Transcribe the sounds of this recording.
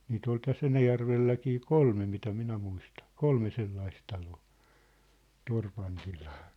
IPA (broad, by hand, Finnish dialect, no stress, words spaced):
niːt ol tæsː enæjærʋelːækiː kolme mitæ minæ muistɑn̞ kolme selːɑis tɑloː torpɑn tilɑː